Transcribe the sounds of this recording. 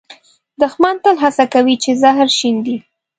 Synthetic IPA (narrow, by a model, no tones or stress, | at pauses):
d̪əxmɑnt̪əlɦasakawit͡ʃezaɦɾʃind̪i